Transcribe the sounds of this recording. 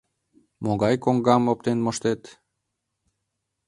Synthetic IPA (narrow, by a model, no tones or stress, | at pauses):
moɣɑjkoŋɡɑmop̚t̪enmoʃt̪et̪